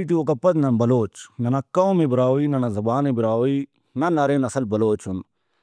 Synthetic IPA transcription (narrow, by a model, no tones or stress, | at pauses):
iʈiokɐpɐt̪nɐnbɐloːt͡ʃnɐnakɐwmebɪɾaːoinɐnazɐbaːnebɪɾaːi | nɐnɐɾenɐsɐlbɐloːt͡ʃʰun